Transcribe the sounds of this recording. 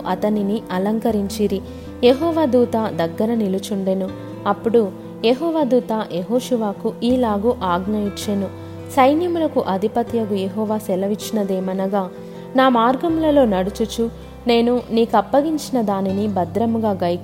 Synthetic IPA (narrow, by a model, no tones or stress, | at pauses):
ʔɐt̪ɐniniʔɐlɐŋkɐɾiɲt͡ʃiːɾi | jeɦɔːʋaːd̪uːt̪aːd̪ɐɡːɐɾɐnilut͡ʃuɳɖenu | ɐpːuɽu | jeɦɔːʋaːd̪uːt̪aːjeɦoːʃuʋaːkuʔiːlaːɡuʔaːɡnɐjit͡ʃːenu | sɐjnjɐmulɐkuʔɐd̪ʱipɐt̪jɐɡujeɦɔːʋaːsɛlɐʋit͡ʃːinɐd̪eːmɐnɐɡaː | naːmaːɾɡɐmlɐlo̞ːnɐɽut͡ʃut͡ʃu | ne̞ːnuniːkɐpːɐɡiɲt͡ʃinɐd̪aːninibɐd̪ɾɐmuɡaːɡɐk